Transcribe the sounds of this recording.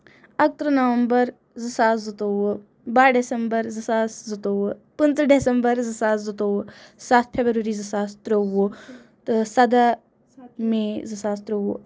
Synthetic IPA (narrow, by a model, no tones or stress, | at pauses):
ɐk̚t̪ɾənɐʋɐmbɐɾ | zɨsaːszut̪o | baːɾɖesɐmbɐɾzɨsaːszut̪oːwpənzɖesɐmbəɾzɨsaːszut̪oːwsaːt̪̚ʰpʰeːbɾəɾizɨsaːst̪ɾoo | t̪ɨsɐd̪a | mẽzɨsaːst̪ɾoo